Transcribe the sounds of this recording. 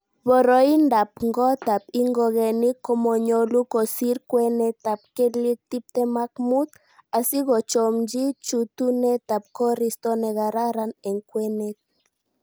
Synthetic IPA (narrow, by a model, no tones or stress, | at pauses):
βɔɾɔindap̚ŋɡɔt̪ap̚iŋɡɔɣɛnikːɔmɔɲɔlukɔsiɾkwɛnɛt̪ap̚kelik̚t̪ip̚t̪ɛmakmut̪ | asiɣɔt͡ʃɔmd͡ʒit͡ʃut̪unɛt̪ap̚kɔɾist̪ɔnɛɣaɾaɾanɛŋkwɛnet̪̚